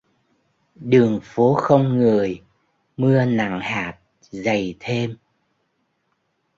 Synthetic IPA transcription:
ɗɨ˨˩əŋfo˨˦xə˧wŋ͡mŋɨ˨˩əj | mɨ˧əna̰˧˩˨ŋhaː˨˩t̚ | zə˨˩jt̪ʰe˧m

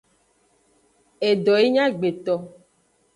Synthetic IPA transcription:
e˨ɖɔ˨e˦ɲã˦ɡ͡be˨t̪ɔ˨

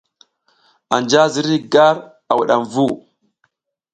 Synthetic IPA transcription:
a˨nd͡ʒa˦zi˦ɾi˦ɡa˦ɾ | a˨wu˨ɗa˨mvu˦˨

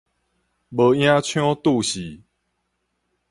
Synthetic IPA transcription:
bə˨˦j̃ã˦t͡ɕʰjɔ̃˦t̪u˥˧˨ɕi˨˦

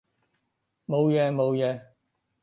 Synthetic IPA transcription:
mo˨˧wjɛː˨˧mo˨˧wjɛː˨˧

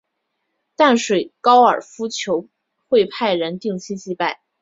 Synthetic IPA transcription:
t̪a˥˩nʂwe˨˩ɪkɑ˥ʊə̰˞˨˩fu˥t͡ɕʰjo˧˥ʊ | xwe˥˧ɪpʰa˥˩ɪɻə˧˥nt̪i˥˧ŋt͡ɕʰi˥˧t͡ɕi˥pa˥˩ɪ

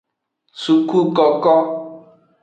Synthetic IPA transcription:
su˨ku˦kɔ˨kɔ˦

